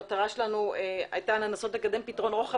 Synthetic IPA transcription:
at̪aʁaʃelanuea̰jtanenaso̞t̪le̞kad̪e̞mpitʁo̞nʁoχa

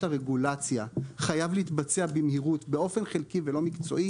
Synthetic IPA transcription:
aʁeɡulat͡sjaχajavliːtbat͡seabimhiʁutbe̞o̞fe̞nχelkivelo̞mikt͡so̞̰ʔi

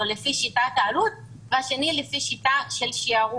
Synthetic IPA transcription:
olefiʃitat̪aːlut̪̚ | veaʃe̞nilefiʃitaʃelʃiaʁu

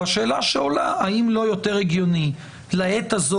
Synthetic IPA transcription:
aʃe̞ːlaʃeolaaimlo̞jo̞t̪eʁeɡjoni | laet̪azo

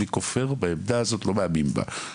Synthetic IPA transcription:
ikofe̞ʁbaemd̪aazo̞tlo̞meamimba̰

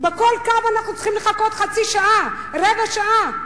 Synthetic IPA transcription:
beko̞lkavanaχnut͡slχimleχakot̪χat͡siʃaʔa | ʁevaʃaʔa

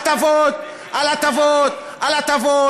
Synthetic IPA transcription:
t̪avot̪̚ | alat̪avot̪ | alat̪avo

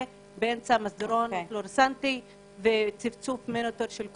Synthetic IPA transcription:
beemt͡samasd̪eɾonfloɾsant̪i | vet͡sivt͡sufmenot̪oɾʃelk

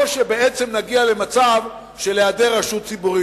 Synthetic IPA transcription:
ʃebeʔet͡se̞mnaɡiale̞mat͡sav | ʃe̞lead̪e̞ʁaʃut̪t͡sibuʁi

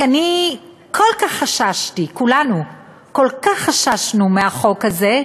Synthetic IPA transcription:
ani | kʰolkaχːaʃaʃtikulanu | ko̞lkaχːaʃaʃnumeaχo̞khaze̞

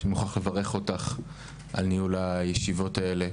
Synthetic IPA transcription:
muχaχle̞vaʁe̞χo̞taχ | ʔalnijulajeʃivo̞tae̞le̞

